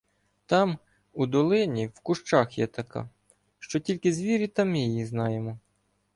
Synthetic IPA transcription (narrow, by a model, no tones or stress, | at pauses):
t̪ɑm | ud̪ɔlˠɪnʲiwkʊʃt͡ʃɑxjɛ̰t̪ɐkɑ̰ | ʃt͡ʃɔtʲilʲkɪzʋʲiɾʲit̪ɑmɪjijiznɑjemɔ